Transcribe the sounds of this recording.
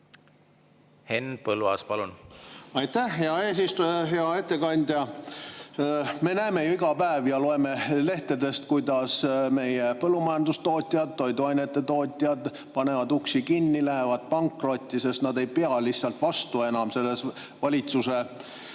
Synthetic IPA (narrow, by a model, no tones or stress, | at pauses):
henpɤlvɑ̰spɑlunɑjt̪æhɦeɑeːsist̪uɦeɑe̞t̪ːe̞kɑnʲd̪̥ʲjɑ | me̞næːme̞juiɡ̥ɑpæevjɑlo̞e̞me̞le̞ht̪e̞d̪e̞st̪̚kujd̪ɑsme̞jepɤlːumɑjɑnd̪ust̪o̞ːt̪ʲːˑiɑd̪̥̚t̪ːo̞jd̪uɑjnet̪ːˑe̞t̪o̞ːt̪ʲːˑiɑd̪̥ | pɑne̞vɑd̪uksikinːilæɦe̞vɑd̪̥̚pɑŋkˑro̞t̪ʲːˑise̞st̪nɑd̪e̞jpeɑlisːɑlt̪vɑst̪ue̞nɑmse̞lːe̞s | vɑlʲit̪suse